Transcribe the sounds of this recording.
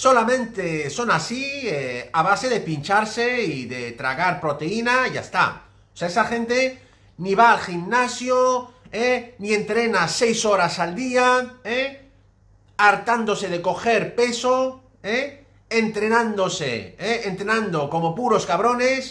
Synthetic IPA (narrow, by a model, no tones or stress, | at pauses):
so̞lamẽ̞nt̪eso̞nasieaβ̞ase̞ðe̞pint͡ʃaɾse̞iðe̞t̪ɾa̰ɣaɾpɾo̞t̪e̞inaʝa̰st̪a̰ | oseaesaxẽ̞nt̪e̞ | niβaːlximnasjoenie̞nt̪ɾe̞nase̞jso̞ɾasald̪iae | aɾt̪and̪o̞se̞ð̞e̞ko̞xe̞ɾpe̞so | eː | nt̪ɾe̞nãnd̪o̞sḛeːnt̪ɾenãnd̪o̞ko̞mo̞puɾo̞skaβ̞ɾo̞ne̞s